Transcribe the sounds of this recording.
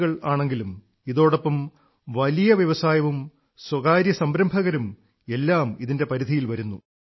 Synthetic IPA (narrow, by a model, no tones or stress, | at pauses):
ɣɐɭaːɳe̞ŋɡilum | iðo̞ːɽopːɐm | ʋɐlijɐʋjɐʋɐsaːjɐʋum | swɐɣaːɾjɐsɐmbɾɐmbʱɐɣɐɾum | e̞lːaːmiðinde̞pɐɾid̪ʱijilʋɐɾunːu